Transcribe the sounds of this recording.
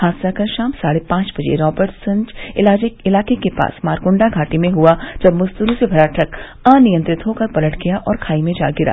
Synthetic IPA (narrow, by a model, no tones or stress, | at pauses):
haːsakaʃaːmsaːɽepãːt͡ʃbɐd͡ʒḛɾɔːbəɾʈsɐ̃ɲd͡ʒɪlaːd͡ʒeɪlaːkekepa̰ːsmaːɾɡʊ̃ɳɖaɡʱaːʈimẽɦuad͡ʒɐbmʊst̪ulusebʱɐɾaːʈʰɐk | ãːnɪjə̃nt̪ɾɪt̪ɦoːkɐɾbɐləʈɡijaʔɔːɾkʰaːimẽd͡ʒa̰ːɡɪɾa̰ː